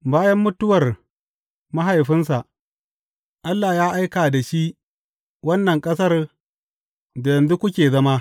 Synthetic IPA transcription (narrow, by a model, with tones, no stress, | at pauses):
baː˦jɐ˦mːʊ˦tʊ˦wɐ˨r | ma˦ɦa˨jɸɪ˦ns̬a˨ʔ | ʔa˦lːaː˨jaː˦ʔa˦jkaː˨da˨ʃi˦ʔ | wɐ˦nːɐ˨ŋkʼɐ˦sɐ˦r | da˨jɐ˨nzu˦kʷʊ˦kʲeː˨zɐ˦ma˦